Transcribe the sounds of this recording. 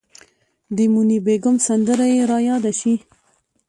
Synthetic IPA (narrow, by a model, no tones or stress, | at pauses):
d̪əmunibeɡʊmsand̪əɾajeɾɑjɑd̪aʃi